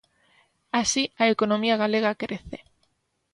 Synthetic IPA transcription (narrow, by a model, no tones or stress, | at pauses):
asiaekonõmiaɣaleɣ̞akɾeθe